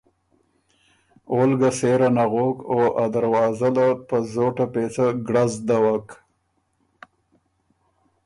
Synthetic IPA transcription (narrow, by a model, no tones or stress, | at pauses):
olɡaseɾanaɣokoad̪aɾwɑzalapəzoʈapet͡saɡɽazd̪awak